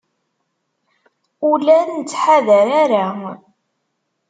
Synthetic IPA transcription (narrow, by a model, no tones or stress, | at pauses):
ulænət͡sːħaðæɾaɾa